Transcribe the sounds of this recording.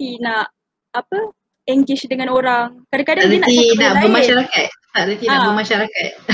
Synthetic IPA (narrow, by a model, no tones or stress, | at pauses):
inaʔ | apə | ɛŋɡwɪʃdəŋanoɾaŋkadakadaɾənainaʔbaəmaʃaɾakat̪̚t̪aʔɾənt̪inãʔbəmaʃaɾakat̪̚